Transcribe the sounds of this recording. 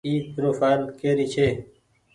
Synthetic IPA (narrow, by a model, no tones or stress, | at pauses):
iːk̚ɾoːfaːlkeːɾit͡ɕʰeː